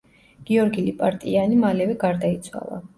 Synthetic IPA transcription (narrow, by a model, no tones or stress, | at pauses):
ɡ̥iɔɾɡilipʼaɾt̪ʼianimalɛvɛɡaɾd̪ait̪sʰwa̰lˠa̰